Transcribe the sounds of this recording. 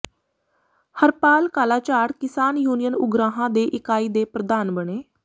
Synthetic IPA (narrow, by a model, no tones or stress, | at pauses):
həɾpaːlkaːlaːt͡ʃaːɽkɪsaːnjuːnijənʊɡɾaːɦãːd̪eːʔɪkaːiːd̪eːpɾəd̪aːnbəɳeː